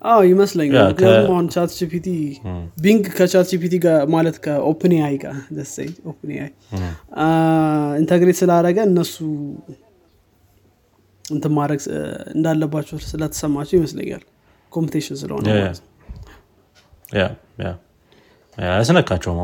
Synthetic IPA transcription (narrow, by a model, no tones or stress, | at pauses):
ʔawjɪməsləɲːaknjat̪umahunt͡ʃʰaɾt̪d͡ʒipʰit̪ʰibiŋɡkʰːət͡ʃaɾt̪d͡ʒipit̪iɡamalət̪kʰəʔopʰneajɡa̰d̪əsḛɲopneʔaj | int̪ʰəɡɾet̪sɨlaɾəɡəɨnːəsːu | ɨnt̪ʰɨmaɾəɡɨ̰nd̪alːəbːat͡ʃːɛsɨlət̪ʰːə̥səmːat͡ʃːɛwjɪməslə̰ɲːa̰l | kʰompit̪ʰeʃɪnsɨlə̰honmt̪ | ja̰ | ja̰ | ja̰əsɨnəkʰːat͡ʃːɛwma